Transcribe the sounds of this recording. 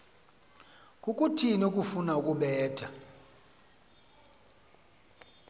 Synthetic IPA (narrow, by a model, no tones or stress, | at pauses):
kʼukʼutʰinukʼufunaukʼuɓɛːtʰa